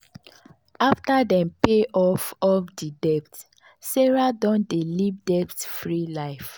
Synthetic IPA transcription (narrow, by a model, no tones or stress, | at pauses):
aftadɛ̃mpeʔɔfɔfdidɛp̚t | sɛɹadɔ̃ndelivdɛptfɹilaɪf